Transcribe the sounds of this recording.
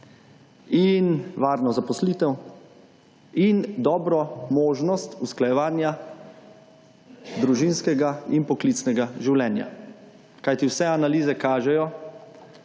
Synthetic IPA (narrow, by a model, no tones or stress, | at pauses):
inʋaːɾnɔzapɔsliːt̪ɛw | ind̪ɔːbɾɔmoːʒnɔst̪usklajɛʋaːnja | d̪ɾuʒinskɛɡainpɔklit̪snɛɡaʒiwlɛːnja̰ | kajt̪iwsɛanaliːzɛkaːʒɛjɔ